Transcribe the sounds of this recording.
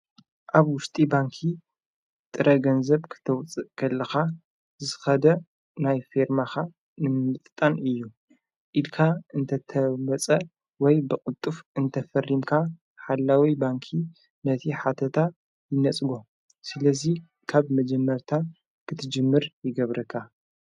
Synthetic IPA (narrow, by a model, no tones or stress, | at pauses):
ʔaβwʊʃt̪ʼibaŋkʰi | t̪ʼɨɾʔɐɡɐnzɐβkʰɨ̥t̪ʰɐwt͡sʼɨʔkʰɐlːɐxa | zɨxɐd̪ɐ | najfeɾmaxa | nɨmɨmɨt̪ʼt̪ʼːanɨjːu | ʔid̪kʰaɨnt̪ʰɐt̪ʰɐmɐt͡sʼɐ | wɔjbɨkʼʊt̪ʼːufʔɨnt̪ʰɐfɐrːimkʰa | ħalːawibaŋkʰi | nɐt̪ʰiħat̪ʰɐt̪ʰa | jɪnɐt͡sʼɨɡo | sɨlɐzi | kʰaβmɐd͡ʒɛmːɐɾt̪ʰa | kʰɨt̪ʰɨd͡ʒɨmːɨɾjɪɡɐβɾɐkʰːa